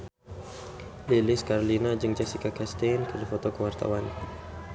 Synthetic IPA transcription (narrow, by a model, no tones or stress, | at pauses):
lilɪskaɾolinad͡ʒɨŋd͡ʒɛsikakast̪ɛnkədifɔt̪ɔkəwart̪a̰wan